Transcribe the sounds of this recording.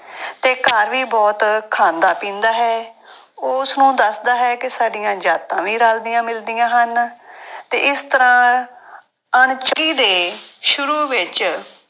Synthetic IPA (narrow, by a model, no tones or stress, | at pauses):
t̪eːkəɾʋiːbɔːt̪kʰaːnd̪aːpĩːnd̪aːɦɛː | ʊsnũːd̪əsd̪aːɦɛːkɪsaːɖijãːd͡ʒaːt̪ãːʋiːɾaːld̪ɪjãːmɪld̪ijãːɦənt̪ḛːɪst̪əɾãː | əɳt͡ʃəɡiːd̪eːʃʊɾuːʋɪt͡ʃ